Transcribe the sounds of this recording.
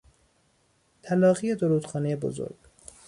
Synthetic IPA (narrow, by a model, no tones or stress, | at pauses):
t̪ʰælɒːɣijed̪oɾuːd̪̥xɒːnejebo̰zo̰ɾɡ̥